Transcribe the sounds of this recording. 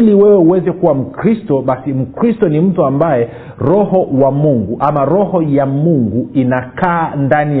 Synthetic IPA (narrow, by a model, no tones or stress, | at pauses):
liwɛwɛuwɛzɛkuwam̩kɾistɔɓasim̩kɾistɔnim̩tuambajɛ | ɾɔhɔwamuŋɡuʔamaɾɔhɔjamuŋɡuinakaːndani